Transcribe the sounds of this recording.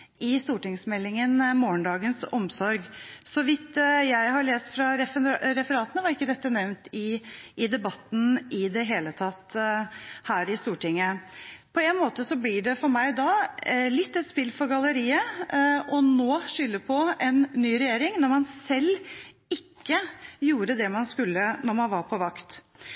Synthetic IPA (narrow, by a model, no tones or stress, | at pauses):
ɪst̪uːʈɪŋsmɛlːɪŋənmoːɳɖ̪ɑːɡənsɔmsɔɾɡsɔʋɪt̪jæɪhɑɭeːst̪fɾɑɾɛfɾɛfəɾɑːt̪ənəʋɑɾɪkːəd̪ɛt̪ːənɛʋnt̪ɪʔɪd̪ɛbɑt̪ːn̩ɪd̪ɛɦeːlət̪ʰɑt̪ː | hæːɾɪst̪uːʈɪŋːəpʰɔɛnmoːt̪əsɔblɪɖɛfɔɾmæɪd̪ɑlɪt̪ːɛt̪spɪlfɔɾɡɑləɾiːə | ɔnoːʂʏlːəpʰɔɛnːyːɾɛjeːɾɪŋnɔɾmɑnsɛlː | ɪkːəjuːɾəd̪ɛmɑnskʉlːənɔɾmɑnʋɑɾpʰɔʋɑkt̪